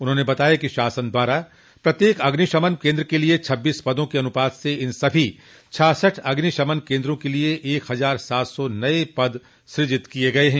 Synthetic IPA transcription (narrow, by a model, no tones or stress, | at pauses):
ʊnɦõːnebɐt̪aːjakiʃaːsənd̪waːɾa | pɾɐt̪jeːkɐɡniʃɐmənkẽːnd̪ɾəkeliet͡ʃʰɐbːiːspɐd̪õkeɐnʊpaːd̪seɪnsɐbʱi | t͡ʃʰaːsəʈʰɐɡniʃɐmənkẽːnd̪ɾõkelieʔːkɦɐzaːɾsaːt̪sɔnɐepɐd̪ | ʃɾɪd͡ʒɪt̪kieɡɐeɦɛ̃ː